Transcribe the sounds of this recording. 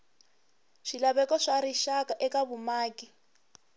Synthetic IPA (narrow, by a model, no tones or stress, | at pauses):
ʂilaβɛkɔʂaɾiʃakaʔɛkaβumaːki